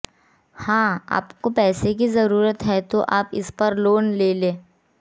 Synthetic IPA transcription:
hãːa̰ːpkopɛːsek̬izɐɾuːɾət̪ɦɛt̪oʔaːpɪspɐɾloːnleːlẽː

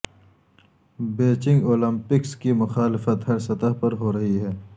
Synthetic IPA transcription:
beːt͡ʃɪ̃ŋɡoːlɐ̃mpɪkskimʊxaːlɪfət̪ɦɐɾsɐt̪əɦpɐɾɦoːɾɐɦiɦɛː

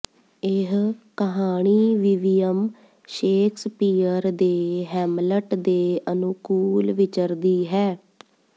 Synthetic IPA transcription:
ɪɦkəɦaːɳ̃iːʋiʋijəm | ʃeːkʰspiːəɾd̪eːɦɛːmləʈd̪eːənʊkuːlʋɪt͡ʃəɾd̪iːɦɛː

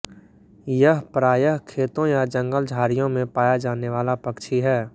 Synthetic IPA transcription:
jəɦpɾaːjəɦkʰeːt̪õjad͡ʒə̃ŋɡəld͡ʒʱaːɾijõmẽpaːjad͡ʒaːneʋaːlapəkʃʰiɦɛː

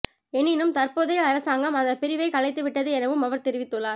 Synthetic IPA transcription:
ɛnːɪnɯmt̪ɐrpoːðɐɪɐɾɐsaːŋɡɐmɐnðd̪ɐpɪɾɪʋɐɪkɐlɐɪt̪ːɯʋɪʈːɐðɯɛnɐʋɯmɐʋɐɾt̪ɛɾɪʋɪt̪ːɯɭːaːɾ

